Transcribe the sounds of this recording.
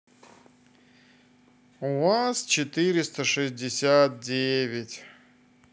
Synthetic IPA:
ʊvast͡ɕɪt̪ɨɾʲɪst̪əʂɨzʲdʲɪsʲat̪̚dʲevʲɪtʲ

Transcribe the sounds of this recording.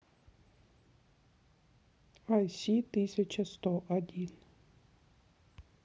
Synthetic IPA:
ajsʲit̪ɨsʲɐt͡ʃəst̪ɔʔɐdʲin

